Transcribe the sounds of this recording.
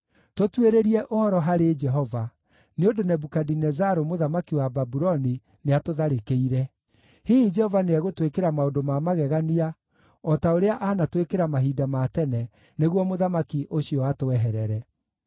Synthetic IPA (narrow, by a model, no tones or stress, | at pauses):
totweɾeɾiɛʔohɔɾɔɦaɾed͡ʒɛɦɔva | neondonɛbukadinɛzaɾomoðamakiwababuɾɔni | neatoðaɾekeiɾɛ | hiːid͡ʒɛhɔvaneɛɣotwekeɾamaodomamaɣɛɣania | ɔtaoɾeaʔanatwekeɾamaɦidamatɛnɛ | neɣwɔmoðamakiʔoɕiɔatoɛɦɛɾɛɾɛ